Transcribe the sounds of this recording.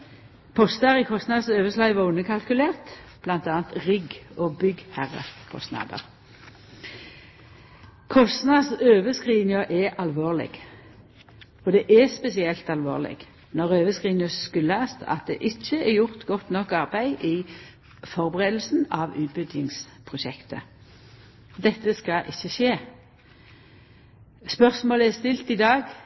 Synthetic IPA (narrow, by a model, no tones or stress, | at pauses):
pʰɔst̪ɑʁɪkʰɔst̪nɑd̪søːʋəslɑɪʋɑʉnəkʰɑlkʉleːʁt̪b̥lɑnt̪ɑːnt̪ʁɪɡoːbʏɡhæʁə̰kʰɔ̰st̪nɑ̰ːd̪ə̰ʁ | kʰɔst̪nɑd̪søːʋəskʁiːnɪʊʔɛʔɑlʋoːʁlɪ̰ɡ̥ | ɔd̪ɛʔɛspɛsɪɛlt̪ɑlʋo̰ːʁlɪ̰ɡ̥ | nɔʁøːʋəskʁiːnɪʊsskʉlːæːst̪ɑ̰t̪̚d̪ɛ̰ʔɪc͡çːəɛjʊʁt̪ɡɔt̪nɔkːɑʁbæɪʔɪ | fɔʁbəʁeːd̪l̩sn̩ɑʋʉːt̪̚bʏd̪jɪŋspʰʁʊʃɛkt̪ə̰ | d̪ɛt̪ːəskɑʔɪçːəʃeː | spœʁsmoːləɛst̪ɪlt̪ɪd̪ɑːɡ